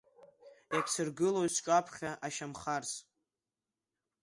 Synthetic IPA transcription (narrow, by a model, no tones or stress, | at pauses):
jakʲʷʰsɨrɡɨlozt͡ʃʷʼapʰχʲaʔaʃamχars